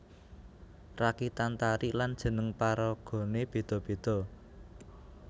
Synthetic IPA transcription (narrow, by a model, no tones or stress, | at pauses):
rakit̪ant̪aɾiʔland̥ʒ̥ə̤nəŋpaɾɔɡ̥ɔ̤neb̥e̤d̪̥ɔ̤b̥e̤d̪̥ɔ̤